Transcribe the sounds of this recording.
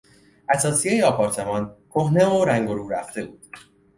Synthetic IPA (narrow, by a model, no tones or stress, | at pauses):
ʔæsɒːsijejeɒpʰɒɾt̪ʰe̞mɒnkʰo̞hne̞oɾæŋɡo̞ɾuːɾæft̪e̞buːd̪̥